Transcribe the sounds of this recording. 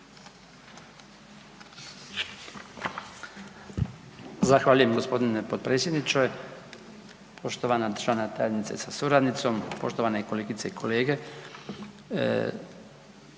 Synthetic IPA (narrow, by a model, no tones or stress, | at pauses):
zaxʋaːʎuje̞mɡo̞spo̞d̪inepod̪̚pɾe̞ːsʲje̞d̪nit͡ʃoj | pʰo̞ʃt̪oʋanad̪ɾʒanat̪ajed̪nit̪sḛsasuɾad̪nit̪so̞mpo̞ʃt̪o̞ʋaneiko̞leːɡit̪seikʰo̞leːɡe